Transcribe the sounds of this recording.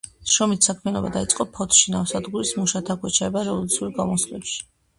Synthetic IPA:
ʃɾɔmit̪ʰsakʰmianɔbad̪ait̪sʼqʼɔpʰɔt̪ʰʃinafsad̪ɡuɾismuʃat̪ʰakʰwɛt͡ʃʰaɛbaɾɛvɔlˠut̪sʰiuɾɡamɔslɛpʃi̥

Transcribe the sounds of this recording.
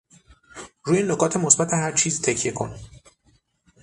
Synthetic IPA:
ɾuːjenokʰɒːt̪ʰe̞mosbæt̪ʰeɦæɾt͡ʃʰiːzt̪ʰecʰje̞kʰo̞̰n

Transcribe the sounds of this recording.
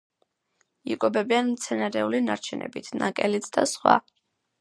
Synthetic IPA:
ikʼɔbɛbianmt̪sʰɛnaɾɛulinaɾt͡ʃʰɛnʔɛ̰bit̪ʰnakʼɛlit̪sʰd̪asχwa̰

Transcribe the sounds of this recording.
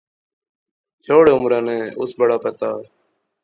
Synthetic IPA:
t͡ʃʰoːɽeːʊmɾãːnẽːʊ̰sbəɽaːpət̪aː

